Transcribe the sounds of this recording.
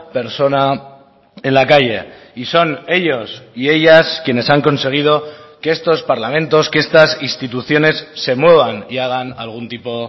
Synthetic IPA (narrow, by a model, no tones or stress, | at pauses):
pe̞ɾso̞na | e̞nlakaʝe̞̰ | iso̞ne̞ʎo̞sie̞ʎaskje̞ne̞saŋko̞nse̞ɣ̞ið̞o̞ke̞est̪o̞spaɾlamẽ̞nt̪o̞skee̞st̪asinst̪it̪uθjo̞ne̞sːe̞mwe̞β̞aniaɣ̞ana̰lɣ̞unt̪ipo̞